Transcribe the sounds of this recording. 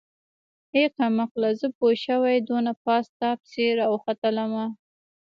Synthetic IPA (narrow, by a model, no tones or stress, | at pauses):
heqamaqlazəpoʃawajd̪onapɑst̪apseɾawxat̪əlama